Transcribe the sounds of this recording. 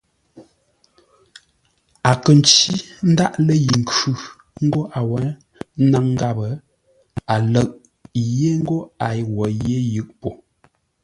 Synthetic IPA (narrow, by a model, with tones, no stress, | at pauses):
a˨kə˨n̩˨˦t͡ʃi˦n̩˦da˦ʔlə˦ji˨ŋ̩˨kʉ˦ | ŋ̩˦ɡo˦ʔa˨wɛ˨˦ | na˦ŋ˦ɡa˦˨bə˨ | a˨lə˦˨ʔ | je˦ŋ̩˦ɡo˦a˨jwɔ˨je˦jɯ˦˨ʔpo˨